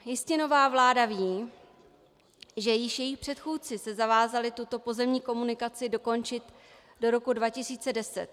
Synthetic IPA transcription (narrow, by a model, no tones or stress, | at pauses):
jɪscɛno̞vaːvlaːdaviː | ʒɛjɪʃjɛjɪxpr̝̥ɛt̪xuːt͡sɪsɛzavaːzalɪt̪ut̪o̞po̞zɛmɲiːko̞munɪkat͡sɪdo̞ko̞nt͡ʃɪt̪ | do̞ɾo̞kudvacɪsiːt͡sɛdɛsɛ̰t̪